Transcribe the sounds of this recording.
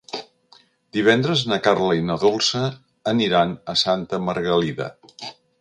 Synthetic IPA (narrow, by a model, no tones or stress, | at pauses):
d̪iβ̞ɛnd̪ɾəznəkarləinəðolˠsəː | niɾanəsant̪əməɾɣəliðə̰